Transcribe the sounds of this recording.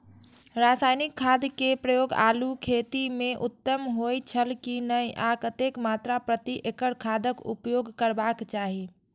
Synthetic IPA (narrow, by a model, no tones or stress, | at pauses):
ɾasajnikʰːad̪kepɾəjoɡa̰lukʰet̪imeʔut̪ːəmɦojt͡ʃʰəlkinəjʔakət̪ekmat̪ɾapɾət̪iʔekəɾkʰad̪əkṵpjoɡkəɾbakt͡ʃaɦi